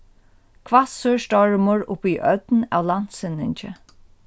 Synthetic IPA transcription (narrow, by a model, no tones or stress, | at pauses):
kʰvat̪søɹst̪ɔɹmʊɹʊpiʔœt̪na̰ːwlan̥t̪sɪnɪɲt͡ʃɪ